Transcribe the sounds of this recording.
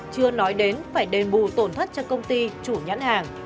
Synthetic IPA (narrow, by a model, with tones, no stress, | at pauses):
t͡ɕɨ˧ənɔ˨˦jɗe˨˦nfaː˧˩jɗe˨˩nɓu˧˩t̪o˧˩nt̪ʰə˦˥t̚t͡ɕɔ˧wkə˧wŋ͡mt̪i˧t͡ɕu˧˩ɲə̰˧˥nhaː˨˩ŋ